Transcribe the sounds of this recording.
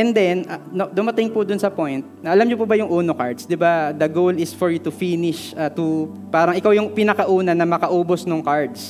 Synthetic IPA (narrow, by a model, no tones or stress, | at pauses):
ʔɛnd̪ɛnɐnod̪ʊmɐt̪ɪŋpʊd̪ʊnsɐpojnt̪̚nɐʔɐlamɲʊpubɐjʊŋʔuːnokaɹd̪sd̪ɪbad̪ɐɡowlɪsfɔɹjʊt̪ʊfinɪʃat̪ʊ | paːɾɐŋʔɪkawjʊŋpɪnɐkɐʔuːnɐnɐmɐkɐʔuːbosnʊŋkaɹd̪s